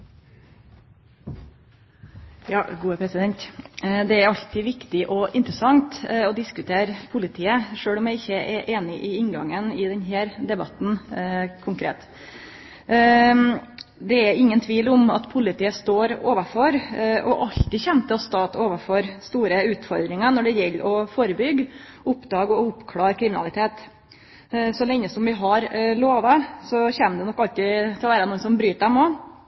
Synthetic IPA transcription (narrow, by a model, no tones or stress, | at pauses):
jɑːɡuːəpʰɾɛsɪd̪ɛnt̪d̪ɛæɾɑʎt̪ʰɪːʋɪkt̪ɪʔɔʔɪnt̪ɾəsɑŋt̪ɔd̪ɪskʉt̪ʰeːɾpʰʊlɪt̪ʰiːəʂøːɽɔmjæɪɪçːəʔɛɾʔeːnɪʔɪɪnɡɑ̰ŋənɪd̪ɛnɦæːɾd̪ɛbɑt̪n̩kʰʊŋkʰɾḛːt̪ | d̪ɛæɾɪŋːənt̪ʰʋiːlʊmɑ̰t̪pʰʊlɪt̪iːəst̪oːɾoːʋəfɔɾʔɔ̰ʔɑʎt̪ɪçɛnt̪ʰɪlɔst̪ɑːt̪oːʋəɾfɔɾst̪uːɾəʉːt̪fɔɾd̪ɾɪŋənɔɖɛjɛlːʔɔfoːɾəbʏɡ | ʊpːd̪ɑːɡɔʊpːkʰlɑːɾkʰɾɪmɪnɑlɪt̪ʰeːt̪ | sɔlɛŋːəsɔmʋɪɦɑɾloːʋəsɔçæːməd̪ɛnɔkːɑlt̪ɪt̪ʰɪlɔʋæːɾənuːənsɔmbɾyːt̪d̪ɛmɔ